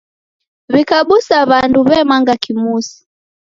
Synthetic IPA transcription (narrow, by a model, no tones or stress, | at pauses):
βikaɓusaβanduβɛmaŋɡakimusi̥